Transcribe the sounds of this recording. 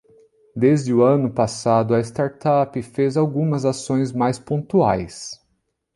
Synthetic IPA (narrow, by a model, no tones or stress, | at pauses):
d̪ezd͡ʒɪʊɐ̃nʊpasad̪ʊɐɪst̪aɾt̪apɪfezawɡũmɐzasõj̃zmajspõt̪ua̰js